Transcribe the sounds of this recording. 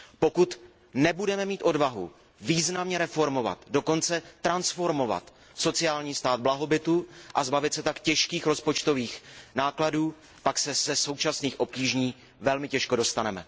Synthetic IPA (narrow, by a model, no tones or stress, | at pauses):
po̞kut̪ | nɛbudɛmɛmiːt̪ʔo̞dvaɦṵ | viːznamɲɛɾɛfo̞ɾmo̞va̰t̪do̞ko̞nt͡sɛt̪ɾansfo̞ɾmo̞va̰t̪ | so̞t͡sɪaːlɲiːst̪aːd̪̚blaɦo̞bɪt̪uʔazbavɪt̪sɛt̪akcɛʃkiːxɾo̞spo̞t͡ʃt̪o̞viːxnaːkladuː | paksɛz̥ɛso̞wt͡ʃasniːxʔo̞p̚ciːʒɲiː | vɛlmɪcɛʃkodo̞st̪anɛmɛ